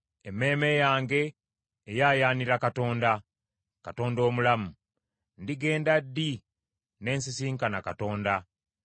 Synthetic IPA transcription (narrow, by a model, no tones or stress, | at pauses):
emːe̞ːme̞jaːŋɡe̞ː | jaːjaːniɾakato̞ːnda | kato̞ːndo̞ːmulamu | ndiɡe̞ːndadːi | ne̞ːnsisiːŋkanakato̞ːnda